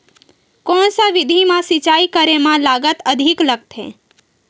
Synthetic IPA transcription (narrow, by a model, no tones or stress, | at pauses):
kɔːnsaʋɪd̪ʱimãsɪt͡ʃaːikəɾemãlaːɡət̪əd̪ʱɪkləɡ̚t̪ɦḛ̃ː